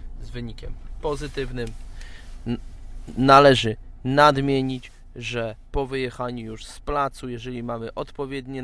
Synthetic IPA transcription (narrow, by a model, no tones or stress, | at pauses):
zvɘɲikʲɛmpɔzɘt̪ɘvnɘm | nalɛʐɘnad̪mʲjeɲit͡ɕ | ʐɛpɔvɘjɛxaɲujuʂsplat̪sujɛʐɛlʲimamɘʔɔt̪pɔvʲjɛd̪ɲɛ